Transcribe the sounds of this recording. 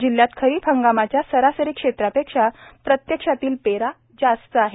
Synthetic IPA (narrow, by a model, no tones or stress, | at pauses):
d͡ʑilːjat̪kʰəɾiːpʰəŋɡamat͡ɕjasəɾasəɾikʂet̪ɾapekʂapɾət̪jəkʂat̪iːlpeɾa | d͡zast̪əaɦe